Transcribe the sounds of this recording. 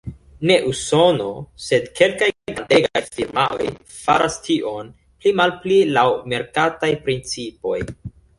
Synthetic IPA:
ne̞ʔuso̞no̞se̞dke̞lkajeɡalde̞ɡajfiɾmaʔo̰j | fa̰ɾastʰiʔo̞n | plimalplilawme̞ɾkatajpɾint͡sipo̞̰j

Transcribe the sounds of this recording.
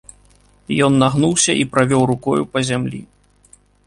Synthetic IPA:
jɔnːaɣnuwsʲɐʔipɾavʲɔwrukɔjupɐzʲamlʲḭ

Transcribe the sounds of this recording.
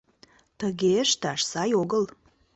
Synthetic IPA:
t̪əɣeʃt̪ɑʃsɑjoɣəl

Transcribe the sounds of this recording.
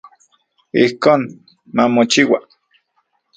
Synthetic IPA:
ihkoːn | mamot͡ʃiwa

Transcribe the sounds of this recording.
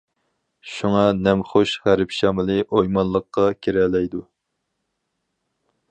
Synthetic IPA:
ʃuŋɑnɛmχoʃʁæɾɪpʃɑmɨlˠɨʔojmɑnlˠəqːɑkʲʰeɾɛlɛjd̪u

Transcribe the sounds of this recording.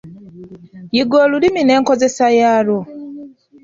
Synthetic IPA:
jiɡolulimine̞ːŋkozesajaːɾo

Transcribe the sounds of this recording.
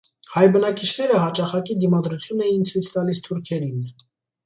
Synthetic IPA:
hɑjbənɑkit͡ʃʰnɛɾəɦɑt͡ʃɑχɑkid̪imɑd̪ɾut͡sʰjunɛjint͡sʰujt͡sʰt̪ɑlist̪ʰuɾkʰɛɾin

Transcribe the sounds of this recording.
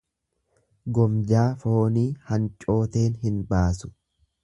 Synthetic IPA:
ɡɔmd͡ʒaːfo̞ːniːhɐnt͡ʃʼo̞ːt̪e̞ːnhɪnbaːsʊ̥

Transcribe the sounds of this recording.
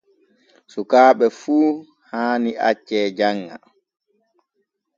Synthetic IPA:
sukaːɓɛfuː | haːniʔa̰t͡ʃːɛːd͡ʒaŋːa̰

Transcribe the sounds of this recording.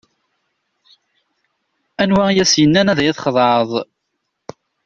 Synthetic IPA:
ænwæjæsjənːænæðæjæθχəðˤʕəðˤ

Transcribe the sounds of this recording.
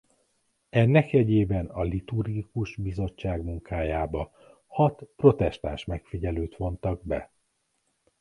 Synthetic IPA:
ɛnːɛkjɛɟeːbɛnɒlit̪urɡikuʒbizo̞t͡ʃːaːɡmuŋkʰaːjaːbɒ | hɒt̪pro̞t̪ɛst̪a̰ːnʃmɛkfiɟɛløːt̪ʋo̞nt̪ɒɡ̚bɛ̰

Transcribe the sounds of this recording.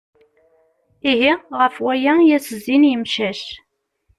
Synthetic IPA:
iɦiʁəfwæjæjæsəzinjəmʃæʃ

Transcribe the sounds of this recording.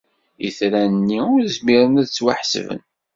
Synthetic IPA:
ḭθɾænnːiʊɾzmiɾənæðt͡sːwaħsə̰və̰n

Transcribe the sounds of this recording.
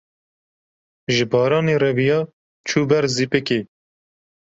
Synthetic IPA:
ʒɨbɑːɾɑːneːrɛvijɑː | t͡ʃʰuːbɛɾziːpɨkeː

